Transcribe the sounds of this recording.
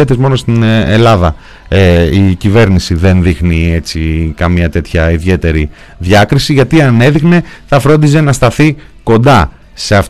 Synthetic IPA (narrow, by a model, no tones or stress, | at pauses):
et̪ezmo̞no̞st̪inelɐðɐ | eicive̞ɾnisiðe̞nðixnie̞t͡sikɐmɲɐt̪e̞t̪çɐiðʝe̞t̪e̞ɾi | ðʝɐkɾisiʝɐt̪iɐne̞ðiɣne̞θɐfɾo̞nd̪is̬e̞nɐst̪ɐθiko̞nd̪ɐ | se̞ɐf